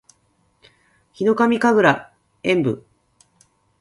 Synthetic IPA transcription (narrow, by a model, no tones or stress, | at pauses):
çino̞kamʲikaɡɯ̟ɾa | ẽ̞mbɯ̰